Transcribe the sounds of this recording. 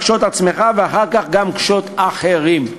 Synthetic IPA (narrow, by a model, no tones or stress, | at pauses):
kʃo̞t̪at͡sme̞χaveaχaʁkaχɡamkʃo̞t̪aχeʁim